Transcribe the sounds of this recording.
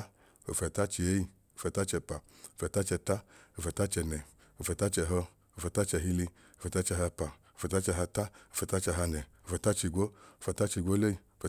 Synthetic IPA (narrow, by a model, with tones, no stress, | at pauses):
o̰˧fɛ˧˨ta˦t͡ʃi˧e˨˦i˧ | o˧fɛ˧˨ta˦t͡ʃɛ˧pa˨ | o˧fɛ˧˨ta˦t͡ʃɛ˧ta˦o˧fɛ˧ta˦t͡ʃɛ˧nɛ˨ | o˧fɛ˧˨ta˦t͡ʃɛ˧˨ɦɔ˧ | o˧fɛ˧ta˦t͡ʃɛ˧˨ɦi˧li˧ | o˧fɛ˧ta˦t͡ʃɛ˧ɦa˧pa˨o˧fɛ˧ta˦t͡ʃɛ˧ɦa˧ta˦o˨˧˨fɛ˧ta˦t͡ʃɛ˧ɦa˧nɛ˨o˧˨fɛ˧˨ta˦t͡ʃi˧ɡʷo˦o˧fɛ˧ta˦t͡ʃi˧ɡʷo˦lo˦i˧o˧fɛ˧